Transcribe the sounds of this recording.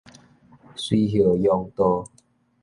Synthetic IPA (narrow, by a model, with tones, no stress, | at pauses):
swi˦ɦjə˨˩jɔ˧ŋt̪ɔ˦